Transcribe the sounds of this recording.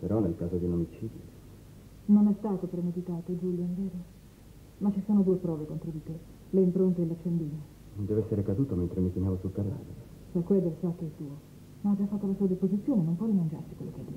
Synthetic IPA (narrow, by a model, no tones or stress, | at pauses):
peɾɔnːelkaːzod̪iunomit͡ʃiːd̪jo̰ | nonɛst̪aːt̪opɾemed̪it̪aːt̪od͡ʒuljoand̪ɛːɾo | mat͡ʃːisoːnod̪uːepɾɔːvekont̪ɾod̪it̪e | leimpɾont̪eːlːat͡ʃːend̪iːne | d̪ɛːvoɛsːeɾekad̪uːt̪oment̪ɾemikinaːvosulkalːa̰ːd̪eɾe | sakːwɛd̪elsakːoɛt̪uːo | mad͡ʒːafːat̪ːolasuːad̪ispozit̪sːjoːnenompwɔɾimand͡ʒa̰rsikwelːoked̪i